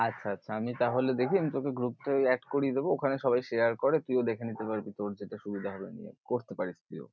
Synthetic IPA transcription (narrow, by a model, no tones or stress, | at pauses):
atːɕʰaat̪ːʰaamit̪aɦoled̪ekʰiamit̪okeɡɾup̚ʈaɛʈkoɾied̪ebookʰaneʃɔbajʃeaɾkoɾet̪uiod̪ekʰenit̪epaɾpit̪oɾd͡ʑeʈaʃubid̪ʱaɦɔbḛnḭḛkoɾt̪epaɾist̪uijo̰